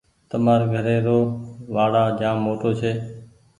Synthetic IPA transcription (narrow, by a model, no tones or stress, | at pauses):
t̪əmaːɾɡʱəɾeːɾoːʋaːɽaːd͡ʒãːmːoːʈoːt͡ʃʰeː